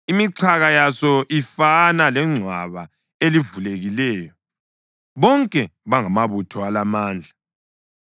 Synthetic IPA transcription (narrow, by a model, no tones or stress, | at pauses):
imiǀʰaɣajasɔʔifanalɛŋ͡ǀʱwa̰βa | elivuleɣilɛːjɔ | βɔŋkʼɛβaŋamaβutʰɔalamaːnd͡ɮʱa